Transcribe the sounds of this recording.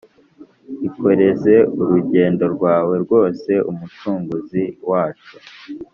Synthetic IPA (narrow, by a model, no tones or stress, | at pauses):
iko̞ɾe̞ze̞uɾuɟe̞ːndo̞ɾɡwaːwe̞ɾɡwo̞ːse̞umut͡ʃuːŋɡuziwaːt͡ʃu̥